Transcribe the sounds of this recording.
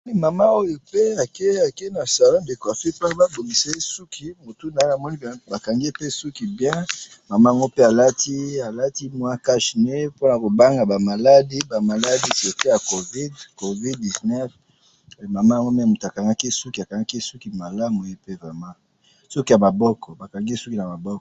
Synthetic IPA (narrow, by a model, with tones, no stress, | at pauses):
ɔ˦ni˦ma˨ma˦o˦jo˦pe˦a˨ke˦a˨ke˦na˨sa˨lɔ̃˦nde˨ko˨ja˨so˦ki˦pa˦ba˦bo˨ɡi˨se˦su˦kʰi˦mo˨tu˦na˨e˦a˨mɔ˦ni˦˨ba˨ka˨ŋɡe˦pe˦su˦ki˨bjɛ̃˦ | ma˨ma˦˨a˨ŋɡo˦pe˦a˨la˦ti˦a˨la˦ti˦mwa˦ka˦ʃne˦po˦na˨ko˨ba˦ŋɡa˨ba˨ma˨la˦di˦ba˨ma˨la˦di˦se˨te˦ja˨ko˨vi˦dko˨vi˦d̚di˨znɛ˦f | ma˨ma˦˨a˨ŋɡo˦mɛ˦˨mu˨ta˨ka˨ŋɡa˦ki˦su˦ki˨a˨ka˨ŋɡa˦ki˦su˦ki˨ma˨la˦mo˨˦e˦pe˦ma˨ma˦ | sɔ˦ki˦ja˨ma˨bɔ˦kɔ˨ba˨ka˨ŋɡe˦su˦ki˨na˨ma˨bɔ˦kɔ˨